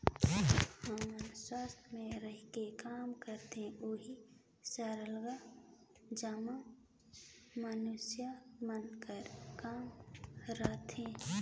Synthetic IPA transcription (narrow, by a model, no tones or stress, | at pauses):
həmənswaːst̪ʰmẽɾəɦikekaːmkəɾt̪eoːɦi | saːɾəlɡa | d͡ʒəmã | mənʊsjamənkəɾkaːmɾaːt̪ʰẽ